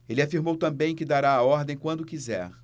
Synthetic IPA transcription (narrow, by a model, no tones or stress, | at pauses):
elɪafiɾmowt̪ɐ̃bẽj̃kɪd̪aɾaːɔɾd̪ẽj̃kwɐ̃nd̪ʊkizɛ̰ɾ